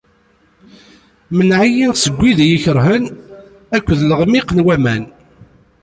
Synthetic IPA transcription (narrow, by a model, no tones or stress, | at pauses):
mənʕajinsəɡʷːiðjiçəɾɦən | ækʷːəðləʁmiqnwæmæn